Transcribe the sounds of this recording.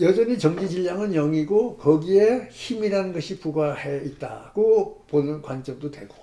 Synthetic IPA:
jʌd͡ʑʌɲit͡ɕʌŋd͡ʑid͡ʑiʎːaŋɯnjʌŋiɡokʌɡieçimiɾanɯnɡʌɕʰipuɡahe̞it̚t͈a̰ɡ̥oponɯnkwant͡ɕ͈ʌŋdotwe̞ɡo

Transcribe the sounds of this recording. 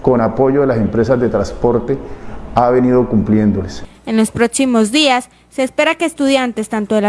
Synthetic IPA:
ko̞napo̞ʝoðelase̞mpɾe̞sazd̪e̞t̪ɾaspo̞ɾt̪eaβe̞niðo̞kumplje̞nd̪olese̞nlo̞spɾo̞ksimo̞zd̪iasː | e̞ːspe̞ɾake̞ːst̪uðjant̪e̞st̪ant̪oðela

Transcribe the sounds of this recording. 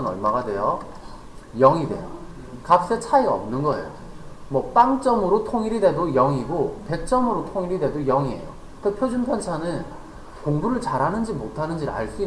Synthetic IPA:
ʌnʌɭmaɡadwejʌ | jʌŋidwe̞̰jo | kap̚s͈et͡ɕʰaiɡaʌmnɯnɡʌe̞̰jo | mwʌp͈aŋt͡ɕ͈ʌmɯɾotʰoŋiɾide̞dojʌŋiɡope̞k̚t͡ɕ͈ʌmɯɾotʰoŋiɾide̞dojʌŋiɦe̞̰jo̰ | t͈epʰjod͡ʑunpʰjʌnt͡ɕʰanɯn | koŋbuɾɯɭt͡ɕaɾɦanɯnd͡ʑimotʰanɯnd͡ʑiɾa̰ɭs͈ui

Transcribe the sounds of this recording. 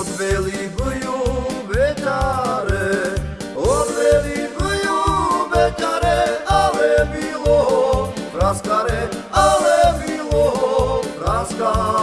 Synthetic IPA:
d̪ʋɛlivɯjubɛɲaɾɛ | ɔd̪ʋɛlivɨjubɛɲaɾɛalɛbilɔ | pɾaskaɾɛalɛbilɔɦpɾaska

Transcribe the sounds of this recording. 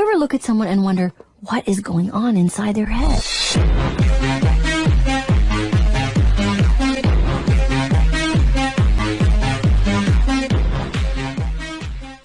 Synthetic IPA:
ɛvə˞lʊkɨtsʌ̃mwʌ̃nɨ̃nwʌ̃ndə˞ | wʌɾʔɨzɡoʊɪ̃ŋə̃nɨ̃nsaɪd̪̚ðə˞hɛd̥

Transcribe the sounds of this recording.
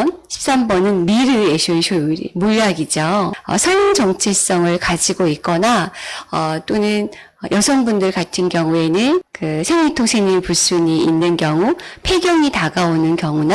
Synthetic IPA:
nɕʰi̥p̚s͈ambʌnɯnmiɾɯeɕʰunɕʰuḭmuʎaɡid͡ʑoʌ̰sʰʌjoŋt͡ɕʌŋt͡ɕʰes͈ʌŋɯɭkad͡ʑiɡoit̚k͈ʌnaʌt͈onɯn | ʌjʌsʰʌnbundɯɭkatʰɯnkjʌŋue̞nɯnkɯsʰeŋmitʰoŋsʰemiɭpus͈uɲiːnːɯnkjʌŋupʰe̞ɡjʌŋitaɡaonɯnkjʌŋuna

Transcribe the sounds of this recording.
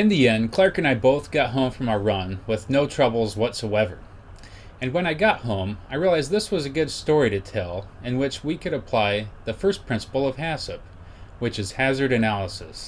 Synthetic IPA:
ɨ̃nðiɛ̃nkʰl̥ɑɹkɨ̃ñaɪboʊθɡ̥ɑt̚ɦõʊ̃ɱfɹʌ̃məɹʌ̃nwɪðnoʊtʰɹ̥ʌbl̩ˠzwʌtsoʊɛvə˞ | ɨ̃nwə̃ɾ̃aɪɡɑt̚hõʊ̃maɪɹiəlˠaɪzðɪswʌzɨɡʊd̥stɔɹiɾɨtʰɛlˠɨ̃nwɪt͡ʃwikʰɨɾɨpʰl̥aɪðɨfɜ˞spʰɹ̥ɪ̃nsə̥pl̩ˠʌv̥hæsɨp̚ | wɨt͡ʃɨz̥hæzə˞ɾɨnælˠəsɨs

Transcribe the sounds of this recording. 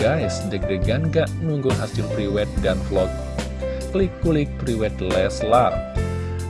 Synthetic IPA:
ajsdək̚dəɡanɡaʔnuŋɡuɦasɪmpɾiwɛt̪̚danflɔk̚ | klikːulik̚pɾiwɛt̪lɛslar

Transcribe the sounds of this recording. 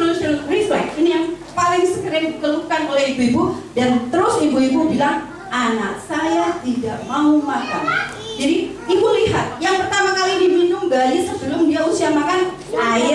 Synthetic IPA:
lʊsilʊɾifla̰kinijaŋpalɪŋsəkəɾɪŋdikəlukanolɛhibuibudant̪əɾʊsibuibubilaŋ | ʔanak̚sajat̪idaʔmaumaka̰n | d͡ʒadi | ibuliɦat̪̚jaŋpərt̪amakalidibinʊŋbalɪsəbəlʊmdiausiamakan | aɪ

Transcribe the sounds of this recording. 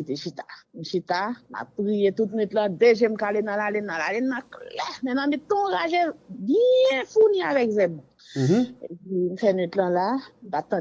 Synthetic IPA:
it̪eʃit̪ḁm̩ʃit̪ama̰ppʁijet̪ut̪nyt̪lãd̪eʒɛm̩kalenãlalɛnːãla̰lɛnːãklɛmɛ̃nãmĩt̪ɔ̃ɡaʒebjɛ̃funiavɛkzɛmɔ̃ | epim̩fɛnyt̪lãlam̩pat̪ã

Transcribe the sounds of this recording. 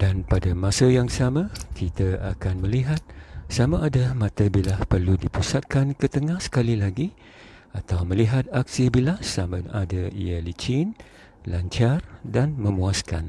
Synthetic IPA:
d̥anpadamãsəjaŋsamãkʰit̪aa̰kanmə̃liɦat̪̚samãʔːdamãt̪abilahpərludipusat̪̚kankət̪əŋahsə̥kalilaɡi | at̪awmə̃liɦat̪̚aksibilahsamənadaḭjalit͡ʃin | laɲt͡ʃardanmə̃mũaska̰n

